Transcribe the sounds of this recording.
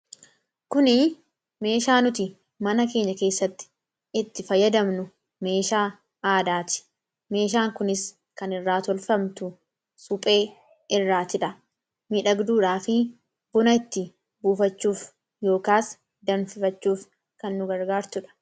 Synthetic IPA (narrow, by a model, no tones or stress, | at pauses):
kʊnɪ | me̞ːʃaːnʊt̪ɪ | mɐnɐke̞ːɲːɐke̞ːsːɐt̪ːɪ̥ | ɪt̪ːɪfɐjɐd̪ɐmnʊ | me̞ːʃaː | aːd̪aːt̪ɪ̥ | me̞ːʃ̬aːŋkʊnɪs | kɐnɪrːaːt̪ɔlfɐmt̪ʊ | sʊpʼe̞ː | ɪrːaːt̪ɪᶑɐ | miːᶑɐɡd̪uːᶑaːfɪ | bʊnɐɪt̪ːɪ | buːfɐt͡ʃːuːf | jo̞ːkaːs | d̪ɐnfɪfɐt͡ʃːuːf | kɐnːʊɡɐɾɡaːɾt̪ʊᶑɐ̥